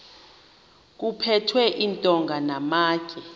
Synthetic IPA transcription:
k̬upʰɛtʰwɛʔintʼɔŋɡʱanamaːkʰʼɛ

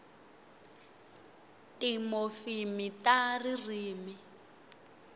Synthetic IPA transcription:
timɔfimitaririːmi

